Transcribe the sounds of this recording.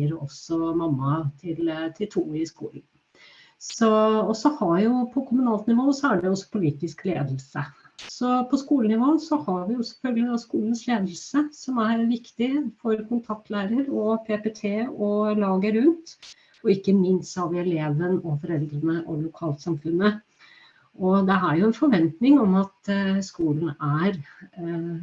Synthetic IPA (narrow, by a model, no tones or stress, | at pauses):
əɾɔsɔmɑmːɑt̪ʰɪlt̪ʰɪlt̪ʰuːɪskṵːln̩ | sɔɔsɔhɑjʊpʰɔkʰʊmʉnɑːlt̪nɪʋoːəsɔæɖɛjɔsːɔ̥pʰʊliːt̪ɪsklḛːd̪əlsə | sɔpʰɔskuːlənɪʋoːənsɔhɑɾʋɪjʊsɛ̥fœlɡəlɪd̪ɔskuːlən̩sleːd̪əl̩səsɔmæɾʋɪkt̪ɪfɔɾkʰʊnt̪ʰɑk̚t̪ʰlæːɾəɾɔpʰeːpet̪ʰeːɔlɑːɡəɾʉnt̪ | ɔɪkːəmɪnst̪ɑʋɪɛleːʋənɔfɔɾɛld̪ɾənəʔɔlʊkʰɑːlt̪sɑmfʉnːə | ʔɔd̪ɛæɾjʊɛnfɔɾʋɛnt̪nɪŋɔmɑt̪skuːln̩æɾ